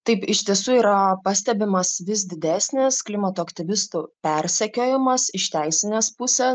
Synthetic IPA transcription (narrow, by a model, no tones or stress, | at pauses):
t̪ɐɪpɪʃʲt̪ʲiɛsuːiːɾɐpɐsʲt̪ʲɛbʲɪmɐsʋʲɪs̬d̪ʲɪd̪ʲæːsʲnʲɪsklʲɪmɐt̪oːɐkt̪ʲɪʋʲɪst̪upʲɛɾʲsʲɛkʲoːjɪmɐsɪʃt̪ʲæɪsʲɪnʲeːspʊsʲeː